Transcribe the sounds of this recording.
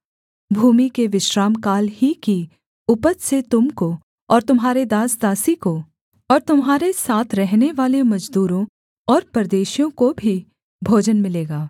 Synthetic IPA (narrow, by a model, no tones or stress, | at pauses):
bʱuːmikeʋɪʃɾaːmkaːlhiki | ʊpəd̪set̪ʊmko | ɔːɾt̪ʊmɦaːɾed̪aːsd̪aːsiko | ɔːɾt̪ʊmɦaːɾesaːt̪ʰɾɛɦneʋaːlemɐd͡ʒd̪uːɾõ | ɔːɾpɐɾd̪eːʃijõkobʱi | bʱoːd͡ʒənmɪleːɡaː